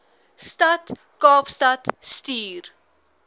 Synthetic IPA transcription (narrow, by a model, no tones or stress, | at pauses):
stɐt | kɑːfstɐtstyːr